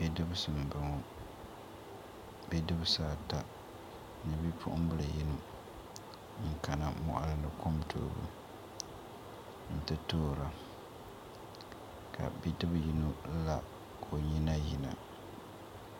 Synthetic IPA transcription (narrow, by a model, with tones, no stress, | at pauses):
bɛ˦dɨ˦bsɨ˨m˨bɨ˨ŋo˨ | bɛ˦dɨ˦bɨ˦saː˦˨ta˨ | nɨ˨bi˦pʰʊ̰˦ʔʊ˦m˦bɨ˦lɨ˨ji˦nu˨˦ | ŋka˨na˨mɔ̰˨ʔa̰˦lɨ˦nɨ˨ko˦mtʰo̰ː˨bṵ˨ | n̩˨tɨ˦toː˦˨ɾa˨ | kʰa̰˨bi˦dɨ˦bji˦no˦la˦ | kʰo˨ɲi˦na˦ji˨na̰˨